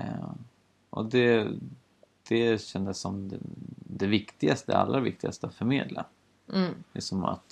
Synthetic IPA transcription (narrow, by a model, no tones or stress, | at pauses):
ʔɔ̰d̪ɛ | d̪̥ɛɕɛnd̪əsːɔm | d̪ɛvɪkt̪ɪɡast̪əa̰lːɾavɪ̰k̚t̪ɪɡa̰st̪əat̪fœɾmeːd̪lʔa̰ | lɪksɔma̰t̪